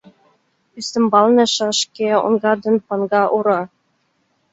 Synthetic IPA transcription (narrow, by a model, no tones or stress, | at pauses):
yst̪ɘ̆mbɑlˠnɤ̆ʃɑʂkʲeṵnɡɑd̪ɤ̆npɑnɡɑʔuɾɑ